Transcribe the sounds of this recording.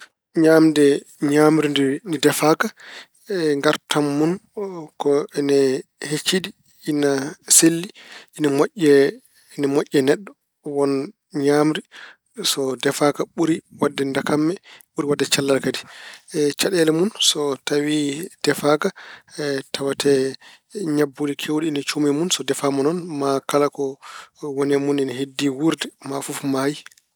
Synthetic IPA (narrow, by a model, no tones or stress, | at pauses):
ɲamdɛ | ɲaːmɾindnidɛfaka | ŋɡaɾtamːunkɔɛnɛhet͡ʃːidiː | naselːiʔinamoʔʲːɛ | namoʔʲːɛnɛɗːɔ | wɔn | ɲaːmɾi | sɔdɛfakaɓuɾiwadːɛndakamːɛɓuɾiwadːɛt͡ʃalːaɾkadi | t͡ʃaɗɛlɛmunsɔtawid̥ɛfaka | tawatɛ | ɲabːulikʰewdiːnat͡ʃumɛmunsɔdɛfamɔnɔnmakalakɔwɔnɛmuninahedːiwuɾdɛmafufmaji